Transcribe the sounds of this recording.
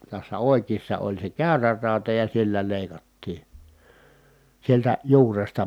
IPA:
tæsːæ oˑikiːsːɑ olʲ se kæˑyræ rɑˑutɑ jɑ silːæ leˑi̯kɑtːiː sieltæ juːrestɑ

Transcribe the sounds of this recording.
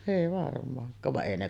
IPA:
eˑi ʋɑrmˑɑːŋkˑɑːʋ ʋɑʔ ʔeˑi ne

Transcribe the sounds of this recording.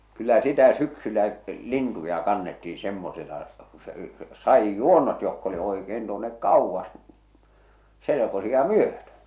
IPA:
kylːæ sitæ syksylːæ lintujɑ kɑnːetːiː semːoselɑ ku se sɑijːuonːot jokː oli oikeːn tuonːek kɑuʋːɑs selekosiɑ myøtø

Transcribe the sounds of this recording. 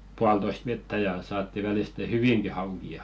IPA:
puɑltoist ʋetːæ jɑ sɑːtːi ʋæliste hyʋiŋki hɑukiɑ

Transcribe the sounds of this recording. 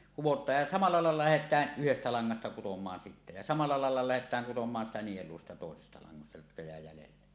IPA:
kuwotˑɑːj jɑ sɑmɑlˑɑ lɑˑelːɑ læhetˑæːʔ ʔyhestæ lɑŋːɑstɑ kutomˑɑːn sitːæ jɑ sɑmɑlˑɑ lɑelːɑ læhetˑæːŋ kutomˑɑːn sitæ nieluo siːtæ toˑesestɑ lɑŋːɑstɑ jotkɑ jæˑe jælelːe

